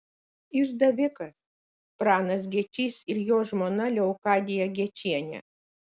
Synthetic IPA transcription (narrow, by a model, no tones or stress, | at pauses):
ɪʒd̪ɐʋʲɪkɐs | pɾɑːnɐs̬ɡʲiɛt͡ʃʲiːsɪɾjoːʒmoːnɐlʲɛʊkɑːd̪ʲɪjɛɡʲiɛt͡ʃʲiɛnʲɛ̰